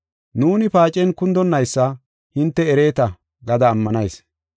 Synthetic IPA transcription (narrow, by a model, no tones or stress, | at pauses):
nuːnɪpaːt͡ʃʼɛnkʊnd̪ɔnːɐjsːɐ | hɪnt̪ːɛɛɾeːt̪ɐ | ɡɐd̪ɐːmːɐnɐjs